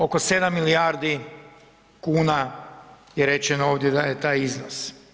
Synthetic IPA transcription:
o̞ko̞sed̪amːilijaːɾd̪i | kuːna | jeɾet͡ʃenooːʋd̪jed̪ajet̪aːjiznos

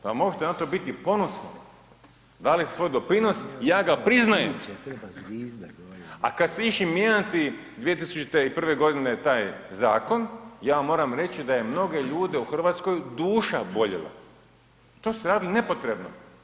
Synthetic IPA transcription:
amo̞ɡʒet̪enat̪o̞bit̪ipo̞nosnoi | d̪alise̥sʋo̞jd̪o̞pɾino̞sjaːɡapɾiznajem | a̰kad̪seiʃimjeat̪i | d̪ʋije̞t̪̬isut͡ʃt̪eipr̩ʋe̞ɡo̞d̪ine̞t̪aːjzaːko̞njaːmo̞ːɾamɾe̞t͡ɕid̪ajemno̞ɡe̞ʎuːd̪e̞uxr̩ʋaːt̪sko̞jd̪uːʃabo̞ʎḛla̰ | t̪oseɾaːd̪iline̞po̞t̪ɾe̞bno̰

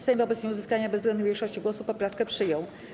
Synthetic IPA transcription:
sajmvɔbɛt̪sɲɛuzɘskaɲabɛzvzɡlɛuvjekʂɔɕt͡ɕiɡwɔsupɔpɾafkɛpʂɘjɔ̃w̃

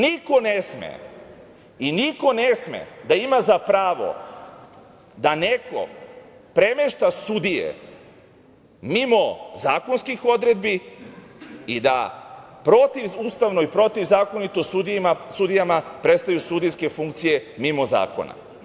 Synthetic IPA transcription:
niko̞nesmḛ | iniko̞nesmḛd̪aimazapɾaːʋo̞̰ | d̪anekʰo̞̰pɾe̞meʃt̪asud̪ijḛ | mimo̞zaːkonskixo̞d̪ɾed̪bi | id̪a̰pɾo̞t̪iʋuːst̪aʋnoipɾo̞t̪iʋzaːko̞nit̪osud̪ijimasud̪ijamapɾe̞t̪st̪ajusud̪ijske̞fuŋkt̪sije̞mimoza̰ːko̞̰na̰

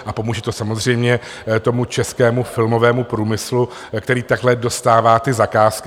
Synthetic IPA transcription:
ʔapo̞muːʒɛt̪o̞samo̞zr̝ɛjmɲɛ | t̪o̞mut͡ʃɛskɛːmufɪlmo̞vɛːmupɾuːmɪslu | kt̪ɛɾiːt̪aɡɦlɛdo̞st̪aːvaːt̪ɪzakaːsk

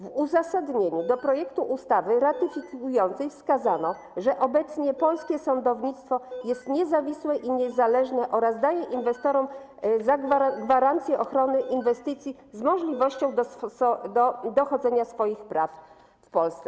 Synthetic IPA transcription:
vuzasad̪ɲeɲud̪ɔpɾɔjɛkt̪uʔust̪avɘɾat̪ɘfʲikujɔnt̪sɛjfskazanɔ | ʐɛʔɔbɛt̪sɲɛpɔlskʲɛsɔnd̪ɔvɲit̪st̪fɔjɛst̪ɲɛzavʲiswɛʔiɲɛzalɛʐnɛʔɔɾazd̪ajɛʔinvɛst̪ɔɾɔm | zaɡaɡvaɾant̪sʲjɛʔɔxɾɔnɘʔinvɛst̪ɘt̪sʲji | zmɔʐlʲivɔɕt͡ɕɔ̃w̃d̪ɔɔd̪ɔd̪ɔxɔd̪zɛɲasfɔjixpɾaf | fpɔlst̪sɛ

